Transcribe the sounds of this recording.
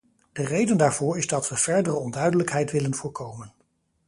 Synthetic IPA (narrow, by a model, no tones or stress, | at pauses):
d̥ərejdəndaːɹv̥ʊːɹɪzdɑtʋəv̥ɛɹdərəɔndœɥdələkɦɛjtʋɪlənvʊːɹkʰowmən